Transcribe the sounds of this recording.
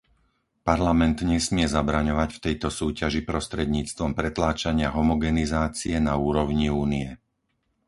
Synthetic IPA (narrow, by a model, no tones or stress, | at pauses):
paɾlamɛnd̪ɲɛsmɪɛzabɾaɲɔʋacft̪ɛjt̪ɔsuːcaʒipɾɔst̪ɾɛd̪ɲiːt͡st̪ʋɔmpɾɛt̪laːt͡ʃaɲɪaɦɔmɔɡɛnizaːt͡siɛnauːɾɔʊɲiuːniɛ